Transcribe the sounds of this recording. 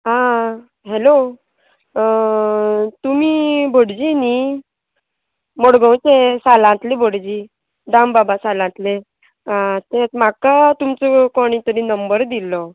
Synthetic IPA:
ɦã | ɦelo | t̪umibʱoɽd͡ʑini | moɽɡə̃w̃t͡sesalãt̪lebʱoɽd͡ʑi | d̪ambabasalãnt̪le | ɦãt̪et̪makat̪umt͡sɔkɔɽ̃it̪əɾĩnəmbəɾd̪ilɔ

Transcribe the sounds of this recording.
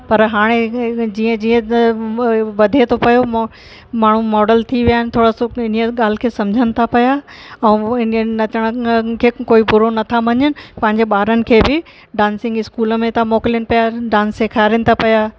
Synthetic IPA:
pɐɾɦaːɽ̃ed͡ʑiːə̃d͡ʑiːə̃ | ʋɐd̪ʱet̪ʰopɐjom | maːɳ̤umɔːɖəlt̪ʰiʋijaːɦɪnɪ̆t̪ʰoːɽasoɪniəɠaːl̤ɪ̆kʰeːsɐmd͡ʑʱənɪ̆t̪ʰapɐjaɛ̃ːɪnnɐt͡ɕəɽ̃əkʰeːkoːibʊɾonɐt̪ʰaʋɐɲənɪ̆pɐ̃ɦɪ̃ɲd͡ʑeɓaːɾənɪ̆kʰeːbɪ | ɖãːnsɪ̃ŋɡɪskuːləmẽt̪amoːkɪljənɪpɐjaɖãːnsːekʰaːɪɾənɪ̆t̪ʰapɐjaː

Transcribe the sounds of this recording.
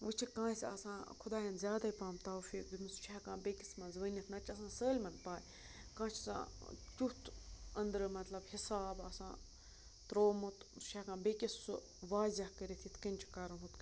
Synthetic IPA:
ʋɨt͡ʃʰikãːsɐ̰sãːkʰʊd̪aːjɐ̃nzʲjaːd̪aːipãːmt̪aːwfiːk̚d̪inɨst͡ʃʰaːkãːbeːkismɐ̃nzʋənʲit̪ʰnɐt͡ʃʰɐsãːsəːlʲmɐnpaːjʲ | kãːt͡ʃʰisã̰ːtʲut̪ʰɐnd̪ɾɨmɐt̪lɐbhisaːbɐsã̰ː | t̪ɾoːmut̪st͡ʃʰakãːbeːkʲissu | ʋaːzʲahkəɾet̪ʰit̪ʰkɐnʲt͡ʃʰi̥kaːɾɐnɦut̪

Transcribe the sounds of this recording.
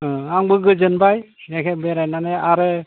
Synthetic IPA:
ɦaŋbɯɡɯzɯnbajjɛkʰɛbɛɾajnaneaɾɯ

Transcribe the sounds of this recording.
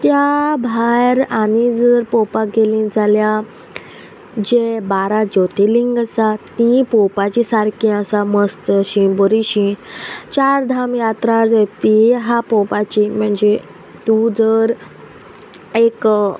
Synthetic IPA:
t̪jabʱajɾanid͡zəɾpɔpaɡelĩːd͡zʱalja | d͡ʑebaɾad͡ʑot̪iliŋɡəsat̪ĩpɔpat͡ɕisaɾkĩəsaməst̪əɕĩbəɾiɕĩt͡ɕaɾd̪ʱamjat̪ɾaɾd͡zet̪iɦapɔpat͡ɕim̤əɳd͡ze | t̪ud͡zəɾ | ek

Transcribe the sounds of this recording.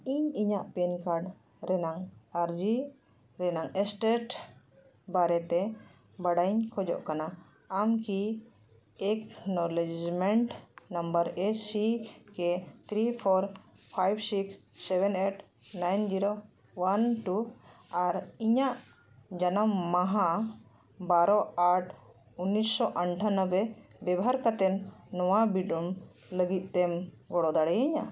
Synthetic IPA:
iɲiɲaʔpɛnkaɾɖ | ɾɛnaŋaɾd͡ʒi | ɾɛnaŋɛsʈeʈ | baɾɛt̪ɛ | baɽajɲkʰɔd͡ʒɔ̰ʔkanaː | mki | ɛknɔlɛd͡ʒd͡ʒmɛɳʈnambəɾesikɛt̪ʰɾipʰɔɾ | pʰajbsiksː | ebɛneʈ | najnd͡ʒiɾo | wanʈuaɾiɲaʔ | d͡ʒanəmːaɦã | baɾɔaʈʰ | unːisːɔʔəɳʈʰanəbebɛbɦaɾkat̪ɛnːɔwabiɖum | ləɡit̪̚ˀt̪em | ɡɔɽɔd̪aɽɛjiɲa

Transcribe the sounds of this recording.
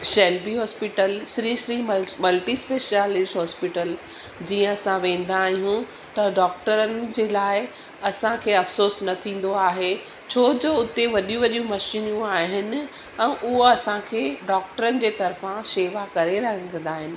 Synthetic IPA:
ʃɛːlbiɦɔːspɪʈəlʃɾiːʃɾimmɐlʈispeːʃalɪsʈɦɔːspɪʈəl | d͡ʑiːə̃ɐsãʋẽːn̆d̪aːɦijũ | t̪ɐɖɔːkʈəɾənɪ̆d͡ʑeːlaːɪ | ɐsãkʰeːɐfsoːsnɐt̪ʰĩːn̆d̪oaːɦe | t͡ɕʰoːd͡ʑoʊt̪eʋɐɗijũʋɐɗijũmɐʃinjũaːɦɪnɪ̆ | ɛ̃ːʔʊɦoɐsãkʰeːɖɔːk̚ʈəɾənɪ̆d͡ʑeːt̪ɐɾfãʃeːʋakɐɾeɾɐɦə̃nɡə̃nd̪aːɦɪnɪ̆

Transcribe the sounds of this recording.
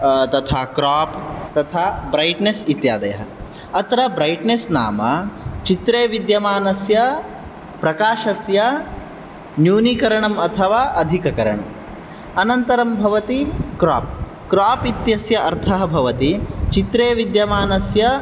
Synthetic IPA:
t̪ɐt̪ʰaːkɾaːpt̪ɐt̪ʰaːbɾɐjʈnesit̪jaːd̪ɐjɐ̰ɦɐ | ɐt̪ɾɐbɾɐjʈnesnaːmɐt͡ʃit̪ɾeːʋid̪jɐmaːnɐsjɐ | pɾɐkaːʃɐsjɐ | njuːnikɐɾɐɳɐmɐt̪ʰɐʋaːʔɐd̪ʱikɐkɐɾɐɳɐ̰m | ɐnɐnt̪ɐɾɐmbʱɐʋɐt̪ikɾaːp | kɾaːpit̪jɐsjɐʔɐɾt̪ʰɐɦɐbʱɐʋɐt̪it͡ʃit̪ɾeːʋid̪jɐmaːnɐsjɐ

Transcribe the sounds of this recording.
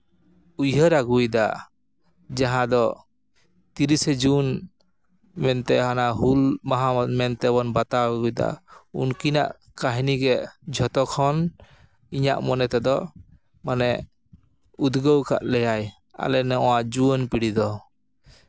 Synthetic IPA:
ujɦəɾaɡujd̪a | d͡ʒaɦãd̪ɔ | t̪iɾisɛd͡ʒun | mɛnt̪ɛɦanaɦulmaɦamɛnt̪ɛbɔnbat̪awɡujd̪a̰ṵnkina̰ʔ | kaɦniɡɛd͡ʒʱɔt̪ɔkʰɔn | iɲa̰ʔmɔnɛt̪ɛd̪ɔ | manɛ | ud̪ɡəwka̰ʔlɛjaj | a̰lɛnɛɔwaʔd͡ʒuənpiɽid̪ɔ

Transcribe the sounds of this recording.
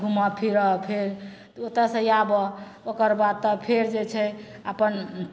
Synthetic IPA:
bʱumapʰiɾɔpʰeɾ | ot̪ɾasə̃jabɔ | okəɾbad̪̚t̪ɔpʰeɾd͡ʒet͡ʃʰɛ | əpən

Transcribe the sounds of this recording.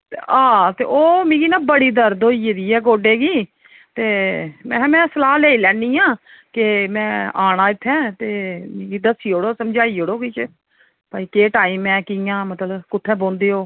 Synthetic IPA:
t̪eaːt̪ḛːoːmĩːɡiːnãːbəɽiːd̪əɾd̪oːiːed̪iːɛːɡoːɖeːɡiː | t̪eːmɛ̃ːmɛ̃ːsəlaːleːiːlɛːniːjãː | kɪmɛ̃ːaːɽãːɪt̪ʰːɛ̃ːt̪eːmĩːɡiːd̪əsiːoːɽoːsəmd͡ʒaːiːoːɽoːkɪt͡ʃ | paːiːkeːʈaːiːmɛ̃ːkɪjãːmət̪ləbkʊt̪ʰːɛ̃ːbõːnd̪eːoː

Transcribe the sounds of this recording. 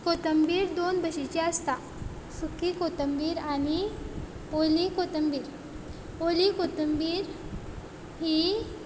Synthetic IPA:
kot̪əmbiːɾd̪onbʱəɕit͡ɕeəst̪a | sukikot̪əmbiːɾañi | olikot̪əmbiːɾ | olikot̪əmbiːɾ | ɦiː

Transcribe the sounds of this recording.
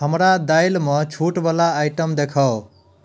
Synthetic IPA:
ɦʌmɾad̪ajlmʌt͡ʃʰuʈbʌlaːjʈʌmd̪ekʰʌw

